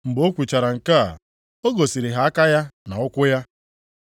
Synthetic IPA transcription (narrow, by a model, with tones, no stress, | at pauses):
m̩˨bo˦kʷi˨t͡ʃa˨ɾa˨ŋ̩˨ka˦a̰˨ | o˦ɡo˨si˨ɾi˨ɦa˨˦a˦ka˦ja˦na˨ʊ˦kʷʊ˦ja˦